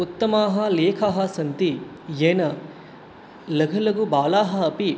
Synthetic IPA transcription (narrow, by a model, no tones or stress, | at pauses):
ut̪ːɐmaːɦɐleːkʰaɦɐsɐnt̪i | jeːnɐ | lɐɡʱɐlɐɡubaːlaːɦɐɐpi